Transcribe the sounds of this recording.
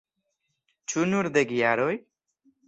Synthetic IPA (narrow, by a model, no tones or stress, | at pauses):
t͡ʃʰunuɾd̪eɡijaɾoj